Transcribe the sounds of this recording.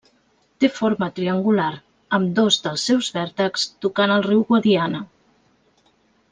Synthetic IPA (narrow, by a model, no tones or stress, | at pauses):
t̪efoɾmət̪ɾiəŋɡulaɾ | əmd̪ozðəlˠsːɛwzβɛɾt̪əkst̪ukanəlˠriwɣwəðianə